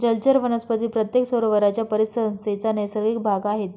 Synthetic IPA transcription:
d͡ʑəlt͡ɕəɾʋənəspət̪iːpɾət̪jeksoɾʋəɾat͡ɕjapəɾisəənset͡sanəjsəɾɡʋik̚bʱaɡaɦet̪

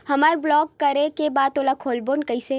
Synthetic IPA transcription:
hɐmaːɾblɔːkːəɾekebaːd̪oːlakʰoːlbonkəise

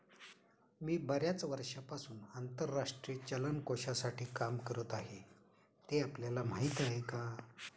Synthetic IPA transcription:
miːbəɾjat͡sʋəɾʂapasuːnant̪əɾːaʂʈɾiːt͡ɕələnkoɕasaʈiːkamkəɾət̪aɦe | t̪eapljalam̤aɦit̪aɦeka

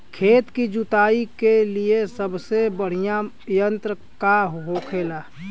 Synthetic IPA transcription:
kʰeːt̪kid͡ʒut̪aːikeliesəbsebəɽ̤ija | jə̃nt̪ɾə | kaɦɦoːkʰeːlaː

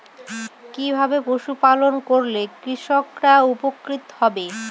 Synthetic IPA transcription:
kibʱabepoʃupalonkoɾlekɾiʃokɾaupokɾit̪hɔbe

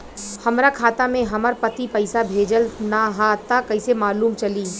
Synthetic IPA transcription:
hɐmɾakʰaːt̪amẽɦɐməɾpət̪ipɐɪsabʱeːd͡ʒəlnaɦat̪akɐɪsemaːluːmt͡ʃɐliː

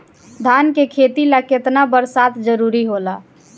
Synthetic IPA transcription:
d̪ʱaːnkekʰeːt̪ilaket̪nabəɾsaːt̪ʰd͡ʒəɾuɾiɦolaː

